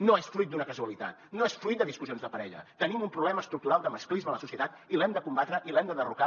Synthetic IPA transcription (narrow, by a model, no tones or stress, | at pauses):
noesfɾujt̪̚d̪unəkəzuəlit̪a̰t̪̚noesfɾuit̪d̪əðiskuzionzðəpəɾɛʎə̰t̪ənimumpɾuβlɛməst̪ɾuk̚t̪uɾalˠd̪əməsklizmələsusiət̪at̪ilɛmd̪əkumbat̪ɾəʔilɛmd̪əðəruka